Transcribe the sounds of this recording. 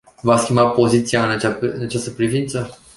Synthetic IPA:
vaskʲimbapo̞zit̪siaɨnat͡ʃaɨnat͡ʃast̪əpɾivint̪sə

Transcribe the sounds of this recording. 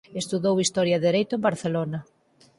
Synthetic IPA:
est̪uðowist̪ɔɾjɐðeɾejt̪ʊembaɾθelonɐ

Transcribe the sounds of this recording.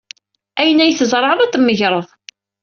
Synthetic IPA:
æjənːæjəθəzˤɾˤɑðˤɑt̪ːəmːəʝɾˤəðˤ

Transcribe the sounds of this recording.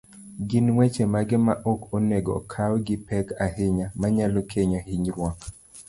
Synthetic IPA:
ɡɪnwet͡ʃemaɡɪmaʔokoneɡɔ̰kʰawɡɪpɛkaɦɪɲamaɲalokʰeɲohiɲɾwɔk

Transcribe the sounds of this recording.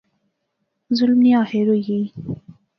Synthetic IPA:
zʊlmnijɑheɾoji

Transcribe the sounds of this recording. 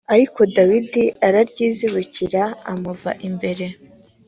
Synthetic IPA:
aɾiko̞dawidiaɾaɾɟiːziɾuciɾaa̰muva̰ʔimbe̞ɾe̞

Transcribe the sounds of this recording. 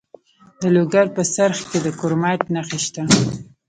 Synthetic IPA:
d̪əloɡaɾpəsaɾxked̪əkoɾmaʈnaxeʃt̪a

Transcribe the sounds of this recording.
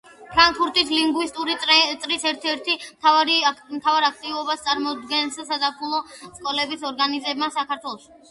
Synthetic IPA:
pʰɾaŋkfuɾt̪ʼisliŋɡwist̪ʼuɾit̪ʼɾisɛɾt̪ʰɛɾt̪ʰiɾmt̪ʰavaɾak̚ʰt̪ʼivɔbast̪sʼaɾmɔd̪ɡɛnssad̪apʰulˠɔskʼɔlɛbisɔɾɡanizɛbmasakʰaɾt̪ʰwɛlˠɔʃi̥

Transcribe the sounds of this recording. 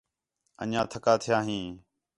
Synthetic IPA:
ə̰nãːt̪ʰəkaːt̪ʰɪjaːɦĩː

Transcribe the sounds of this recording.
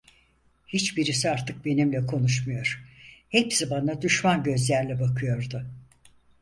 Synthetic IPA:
hit͡ʃbiɾis̬iaɾt̪ʰɯk̚be̞nimlʲɛkʰo̞nuʃmujo̞ɾ̥hepsibanad̪uʃmanɟø̞zlʲæɾlʲɛbakʰɯjo̞ɾd̪ʊ

